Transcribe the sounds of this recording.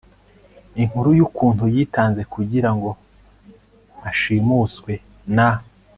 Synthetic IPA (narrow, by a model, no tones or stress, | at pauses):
iŋ̥huɾujukuːnhujiːtaːnze̞kuɟiɾaŋɡo̞ | aʃiːmuːskwe̞ | na